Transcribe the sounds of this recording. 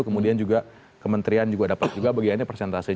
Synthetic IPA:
ukəmudiand͡ʒuɡa | kəmənt̪ɾiand͡ʒuɡadapat̪̚d͡ʒuɡabaɡianapərsɛnt̪asi

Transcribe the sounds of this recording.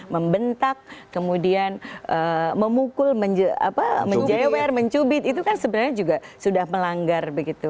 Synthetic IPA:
məmbənt̪ak̚ːəmudianʔəməmukʊlməɲd͡ʒəa̰paməɲd͡ʒewɛrməɲt͡ʃubɪt̪it̪̬ukansəbənarɲad͡ʒuɡasudahməlaŋɡarbəɡit̪u

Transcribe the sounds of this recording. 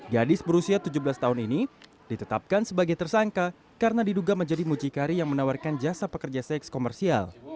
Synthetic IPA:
ɡadɪsbəɾusiat̪ud͡ʒubəlast̪aɦʊnini | dit̪ət̪ap̚kansəbaɡajt̪ərsaŋka | kaɾənadiduɡaməɲd͡ʒadimud͡ʒikaɾijaŋmənawarkand͡ʒasapəkərd͡ʒasɛkskomɛrsia̰l

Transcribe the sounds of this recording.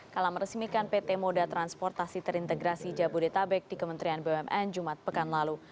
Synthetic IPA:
kalaməɾəsmikanpet̪ɛmodat̪ɾanspɔrt̪asit̪əɾint̪əɡɾasid͡ʒabudet̪abɛk̚dikəmənt̪ɾianbeɛmʔɛnd͡ʒumat̪̚pəkanlalu

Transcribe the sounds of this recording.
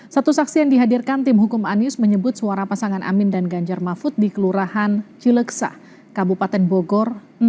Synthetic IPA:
sat̪usaksijaŋdiɦadirkant̪ɪmɦukʊmanɪsməɲəbʊt̪̚suaɾapasaŋanʔa̰mɪndanɡaɲd͡ʒarmafʊt̪̚dikəluɾahant͡ʃiləksa̰ | kabupat̪ɛnboɡɔr | n

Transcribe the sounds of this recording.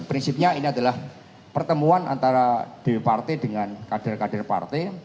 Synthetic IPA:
pɾinsip̚ɲainiadalah | pərt̪əmuanʔa̰nt̪aɾad̥ewipart̪ɛdəŋankadarkadarpa̰rt̪ɛ

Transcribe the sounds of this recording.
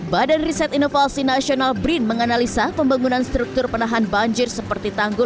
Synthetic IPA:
badanrisɛt̪inofasinasionalbɾinməŋanalisapəmbaŋunanst̪ɾuk̚t̪ʊrpənaɦanbaɲd͡ʒɪrsəpərt̪it̪aŋɡʊl

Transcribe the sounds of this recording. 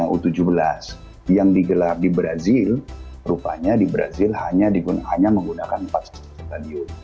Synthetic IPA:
aʔṵt̪ud͡ʒubəlas | jaŋdiɡəlardibɾazɪlɾupaɲadibɾa̰zɪlhaɲadiɡunhaɲaməŋɡunakanpat̪stitadiʊ

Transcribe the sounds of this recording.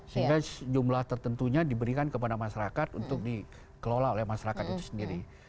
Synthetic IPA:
səɦiɡad͡ʒumlaht̪ərt̪ənt̪uɲadibəɾikankəpadamaʃaɾakat̪unt̪ʊk̚di | kəlolaolɛhmaʃaɾakat̪it̪ʊsəndiɾi

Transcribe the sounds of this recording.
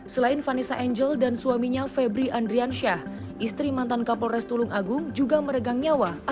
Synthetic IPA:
səlaɪnfanisaʔɛɲd͡ʒəldansuwamiɲafɛbɾiʔandɾianʃah | ʔist̪ɾimant̪ankapɔrɛst̪ulʊŋʔaɡʊŋd͡ʒuɡaməɾəɡaŋiawa

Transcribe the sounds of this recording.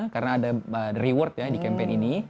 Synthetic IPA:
karnaːdaəriwɔrt̪̚jadikɛmpeɪnini

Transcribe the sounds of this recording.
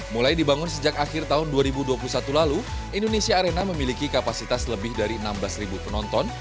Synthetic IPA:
mulajdibaŋʊnsəd͡ʒak̚axɪrt̪aɦʊnduaɾibuduapulusat̪ulalu | indonesiaːɾenaməmilikikapasit̪asləbɪhdaɾiənamblasribupənɔnt̪ɔn

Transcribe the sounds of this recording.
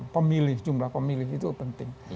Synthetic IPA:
pəmilihd͡ʒumlahpamiliit̪upənt̪ɪŋ

